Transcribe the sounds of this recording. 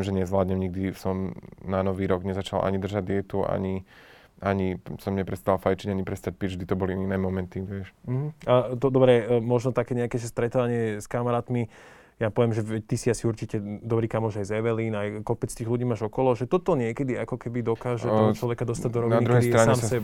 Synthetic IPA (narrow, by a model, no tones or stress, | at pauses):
imʒɛɲɛzʋlaːd̪ɲɛmɲiɡ̚d̪isɔmnanɔʋiːɾɔɡɲɛzat͡ʃalʔa̰ɲid̪r̩ʒad̪ɪɛt̪uʔa̰ɲi | aɲisɔmɲɛpɾɛst̪alfajt͡ʃiɟaɲipɾɛst̪ac̚piʒd̪it̪ɔbɔliinɛːmɔmɛnt̪iʋɪɛʃm̩ɦ̩at̪ɔd̪ɔbɾɛmɔʒnɔt̪akɛːɲɛakɛːʒɛst̪ɾɛt̪aːʋaɲɪɛskamaɾaːt̪mi | japɔʋɛmʒɛʋɛc̚t̪isiasiuɾt͡ʃicɛd̪ɔbɾiːkamːuɔːʒajzɛʋɛliːnajkɔpɛt͡st̪iːɣluɟiːmaːʒɔkɔlɔʒɛt̪ɔt̪ɔɲɪɛkɛd̪iakɔkɛbid̪ɔkaːʒɛmt͡ʃlɔʋɛkad̪ɔst̪aɟ̚d̪ɔɾɔʋniad̪iɾuɛjsiɾaɲaːmsɛ